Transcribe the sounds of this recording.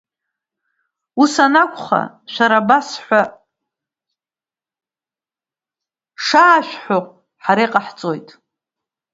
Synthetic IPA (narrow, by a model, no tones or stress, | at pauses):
usanakʷʰʼχa̰ | ʃʷaɾabasħʷa | ʂaːʃᶣħoqʷʼ | ħaɾejqʼaħt͡sʼo̞jtʼ